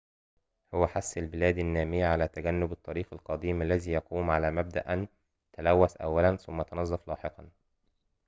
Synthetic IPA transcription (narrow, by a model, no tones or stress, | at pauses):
hʊwæħasːɪlbɪlæːd̪anːæːmɪjʕalæːt̪æɡænːʊbɨt̪ˤːɑɾiːxɪlqɑd̪iːmʔælːæziːjɑquːmʕalæːmæb̚d̪aʔn | t̪alæwːæsʔæ̰wːælænθʊmːæjt̪ɑnɑzˤːɑflɑːħeqɑn